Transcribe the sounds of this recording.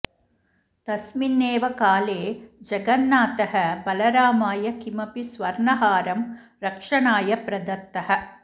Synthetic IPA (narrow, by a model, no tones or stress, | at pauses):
t̪ɐsminːeːʋɐkaːleːd͡ʒɐɡɐnːaːt̪ɐɦɐbɐlɐɾaːmaːjɐkimɐpisʋɐɾɳɐɦaːɾɐm | ɾɐkʂɐɳaːjɐpɾɐd̪ɐt̪ːɐhɐ̆